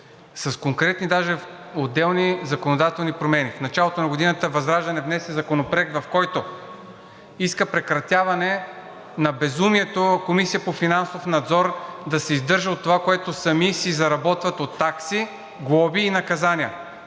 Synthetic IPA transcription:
sɐskoŋkɾɛt̪nid̪aʒɛod̪ɛlˠnizɐkonod̪at̪ɛlˠnipɾomɛnifnɐt͡ʃalˠot̪onɐɡod̪inət̪əvɐzɾaʒd̪ɐnɛvnɛsɛzɐkonopɾɛk̚t̪vɐfkɔjt̪o | iskəpɾɛkɾɐt̪ʲjavɐnɛ | nɐbɛzumiɛt̪okomisijəpofinansofnɐd̪zɔɾd̪ɐsɛizd̪ɤɾʒəot̪ːovakoɛt̪osɐmisizɐɾɐbɔt̪vɐt̪ot̪ːaksi | ɡlˠɔbiːnɐkɐzaniə

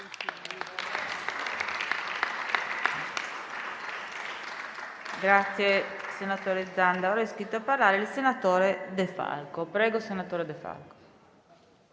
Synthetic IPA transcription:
ɡɾat̪sːjesenat̪oːɾed̪zand̪aoɾaiskɾit̪ːoapːaɾlaːɾeilsenat̪oːɾed̪efa̰lkopɾɛːɡosenat̪oːɾed̪efa̰lko̥

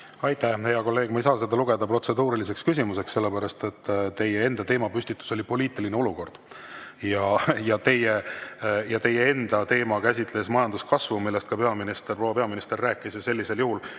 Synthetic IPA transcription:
ɑjt̪æhhejɑko̞lːe̞ːɡ̥̚mɑjsɑːsed̪ɑluɡ̥e̞d̪̥ɑpro̞t̪se̞d̪uːɾilis̬e̞kskys̬ʲimuse̞kse̞lːepæɾɑst̪e̞t̪ːt̪e̞jee̞nd̪̥ɑt̪e̞ːmɑpysʲt̪it̪ːˑu̥so̞lʲipo̞lʲiːt̪ˑilineo̞luko̞rd̪̥ | jɑjɑt̪e̞je | jɑt̪e̞jee̞nd̪̥ɑt̪e̞ːmɑkæsʲit̪le̞smɑjɑnd̪̥uskɑsvumilːest̪kɑpe̞ɑminist̪erpro̞wːɑpeɑminist̪e̞rːæːkːˑisese̞lʲːise̞ljuhul

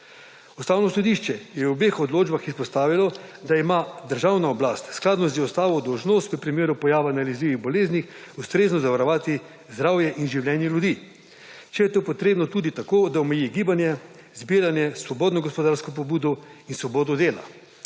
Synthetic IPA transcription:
ust̪aːwnɔsɔd̪iʃt͡ʃɛjɛubexɔd̪loːd͡ʒbaxispɔst̪aːʋilɔd̪aimad̪əɾʒawnaɔblast̪sklaːd̪nɔziɔst̪aːʋɔd̪ɔwʒnost̪ʋipɾimeːɾupɔjaːʋanalizliʋiɣbɔleːznix | ust̪ɾeːznɔzaʋaɾɔʋaːt̪i | zd̪ɾaːwjɛʔinʒiwljɛnjɛljud̪iː | t͡ʃɛjɛt̪oːpɔt̪ɾeːbnɔt̪uːd̪it̪akoːd̪aɔmɛjiɡiːbanjɛ | zbiːɾanjɛsʋɔbɔːd̪nɔɡɔspɔd̪aɾskɔp̬ɔbuːd̪ɔinsʋɔboːd̪ɔd̪eːla̰

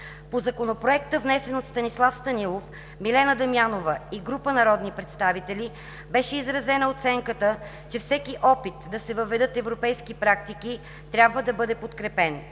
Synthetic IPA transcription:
pozɐkonopɾoɛkt̪əvnɛsɛnot̪st̪ɐnislˠafst̪ɐnilˠof | milɛnəd̪ɐmjanovəiɡɾupənɐɾɔd̪nipɾɛt̪st̪avit̪ɛlʲi | bɛʃɛizɾɐzɛnəot̪sɛŋkət̪ə | t͡ʃɛfsɛkiʔɔpit̪d̪ɐsɛvɐvɛd̪ɤt̪ɛvɾopɛjskipɾak̚t̪iki | t̪ɾʲjabvəd̪ɐbɤd̪ɛpot̪kɾɛpɛn

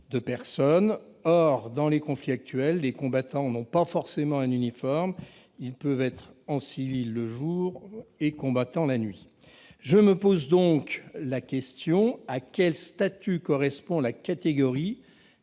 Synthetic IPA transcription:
d̪əpɛʁsɔnɔʁd̪ɑ̃lekɔ̃fliak̚t̪ɥɛlːekɔ̃bat̪ɑ̃nɔ̃pafɔʁsemɑ̃ɛ̃nynifɔʁm | ilpœvɛt̪χɑ̃sivilːəʒuʁekɔ̃bat̪ɑ̃lanɥi | ʒəməpozd̪ɔ̃klakʲɛst̪jɔ̃akʲɛlst̪at̪ykɔʁɛspɔ̃lakat̪eɡɔʁi

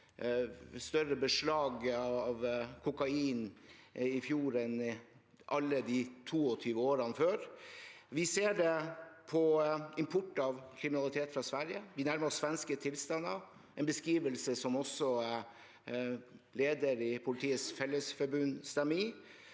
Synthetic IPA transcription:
st̪œɾəbəʂlɑːɡɑʋkʰʊkɑiːnɪfjuːɾɛn | ʔɑlːəd̪iːt̪ʰuːɔt̪ʰyːʋəoːɾɑnəføːɾʋɪseːɖɛpʰɔɪmpʰʊʈːɑʋkʰɾɪmɪnɑlɪt̪ʰeːt̪fɾɑsʋæɾjəʋɪnæɾməɾɔsʋɛnskət̪ʰɪlst̪ɑnəɾ | ɛnbəskɾiːʋəlsəsɔmɔsːɔ | leːd̪əɾɪpʰʊlɪt̪ʰiːət̪sfɛlːəsfɔɾbʉnst̪ɛmːəɾɪː

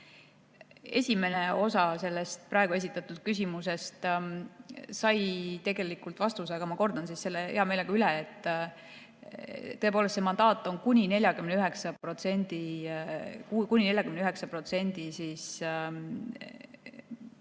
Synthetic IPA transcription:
e̞̰sʲime̞ne̞o̞sɑse̞lːe̞st̪̚prɑeɡ̥ue̞s̬ʲit̪ːˑɑt̪ːˑud̪̥̚kys̬ʲimuse̞st̪ | sɑjt̪e̞ɡe̞likult̪vɑst̪us̬ɑɡɑmɑko̞rd̪̥ɑnsisse̞lːeeɦɑme̞leɡɑyleet̪ːˑ | t̪ɤepolst̪semɑnd̪̥ɑːt̪ːˑo̞nkunʲine̞lʲjɑkymneyɦeksɑpro̞t̪se̞nd̪̥i | kkunʲine̞lʲjɑkymneyɦeksɑpro̞t̪se̞nʲd̪̥isiːs

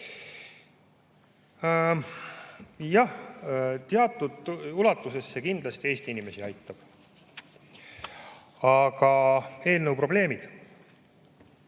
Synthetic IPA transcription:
jɑht̪eɑt̪ːˑud̪ulɑt̪ːˑuse̞sːekind̪̥lɑst̪ie̞ːst̪iinime̞siɑjt̪ːˑɑb̥ | ɑɡɑe̞ːlnəwpro̞ble̞ːmid̪̥

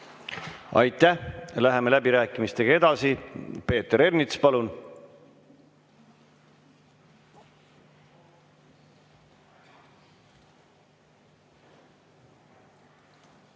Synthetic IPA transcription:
ɑ̰jt̪ːˑæhlæɦeme̞læbiɾæːkːˑimist̪e̞ɡ̥ɑe̞d̪̥ɑsipe̞ːt̪ːeɾe̞rnit̪spɑlun

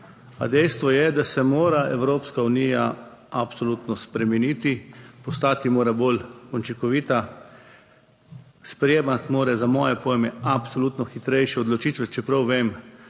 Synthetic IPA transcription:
a̰d̪ɛjst̪ʋɔjɛd̪asɛmoːɾaɛwɾoːpskaunija | apsɔluːt̪nɔspɾɛmɛniːt̪ipɔst̪aːt̪imoːɾabolunt͡ʃikɔʋiːt̪a | spɾɛjeːmat̪moːɾɛzamɔːjɛpɔjmɛapsolut̪nɔxit̪ɾɛjʃɛɔd̪lɔt͡ʃiːt̪ʋɛt͡ʃɛpɾawʋeːm

